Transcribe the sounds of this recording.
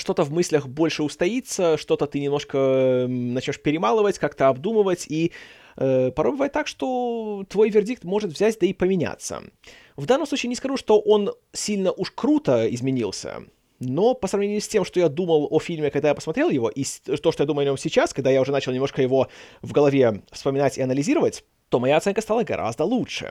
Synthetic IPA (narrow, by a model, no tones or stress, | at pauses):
ʂt̪o̞t̪əvmɨsʲlʲəxbo̞lʲʂɨʊst̪ɐit̪səʂt̪o̞t̪ət̪ɨnʲɪmnoʂkənɐt͡ɕnʲoʂpʲɪɾʲɪmalˠəvətʲkakt̪əɐbd̪umɨvətʲi | əpɐɾobʲɪvajɪt̪ːakʂt̪o̞t̪vo̞jvʲɪrdʲik̚t̪mo̞ʐɨt̪vzʲætʲd̪əipəmʲɪnʲa̰t̪sːə̰ | vd̪anːəmsˠut͡ɕiːnʲɪskɐʐuʂt̪o̞ʔo̞n | sʲilʲnəʔuʂkɾut̪əɪzmʲɪnʲilˠsʲə̰ | no̞pəsɾɐvnʲenʲjʉsʲtʲe̞mʂt̪ojad̪uməlˠofʲilʲmʲɪkɐɡ̚d̪ajapə̥smɐt̪ɾʲe̞lˠjɪvo̞̰ʔisʲt̪ot̪ojad̪uməʊɐnʲo̞msʲɪt͡ɕaskɐɡ̚d̪ajaʊʐɛnat͡ɕɪlˠnʲɪmnoʂkəjɪvo̞vɡəlˠɐvʲe̞fspəmʲɪnatʲɪɐnəlʲɪzʲiɾəvətʲ | t̪o̞mɐjat̪sɛnkəst̪alˠəɡɐ̰ɾʔa̰zd̪əlˠuʂɨ̰